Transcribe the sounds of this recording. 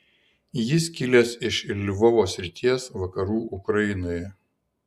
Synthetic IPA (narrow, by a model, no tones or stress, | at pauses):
jɪskʲɪlʲesɪʃlʲʋɔʋoːsʲɾʲɪt̪ʲiɛsʋɐkɐɾuːʔʊkɾɐjɪnoːjɛ